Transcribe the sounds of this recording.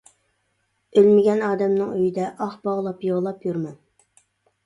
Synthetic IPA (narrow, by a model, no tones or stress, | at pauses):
ølmɪɡʲɛnɑːd̪ɛmnɨŋøjid̪ɛʔɑχbɑʁlˠɑpjoʁlˠɑpjuɾmɑn